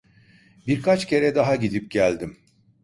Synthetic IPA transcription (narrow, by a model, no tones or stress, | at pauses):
biɾkʰat͡ʃcʰe̞ɾɛd̪aɦaɟid̪ip̚ɟælʲd̪im